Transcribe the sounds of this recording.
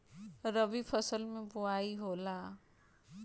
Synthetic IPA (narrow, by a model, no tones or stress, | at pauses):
ɾəbipʰəsəlmẽbʊaːiɦola